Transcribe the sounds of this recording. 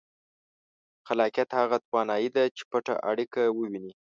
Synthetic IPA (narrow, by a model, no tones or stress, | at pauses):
xalɑkjat̪haɣat̪wɑnɑjid̪at͡ʃe̥paʈa̰ʔaɽikawəwini